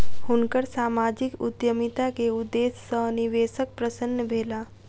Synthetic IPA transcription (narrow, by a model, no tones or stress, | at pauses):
hʊnkəɾsaːmaːd͡ʒɪkʊ̰d̪jəmit̪akeud̪eːssəniʋeːsək̚pɾəsənːəbʱeːla